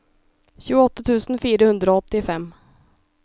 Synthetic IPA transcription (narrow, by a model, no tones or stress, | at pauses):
ɕʉːɡɔt̪ːat̪ʰʉ̟ːsənfiːɾahɵnd̪ɾaɔt̪ːɪfɛmː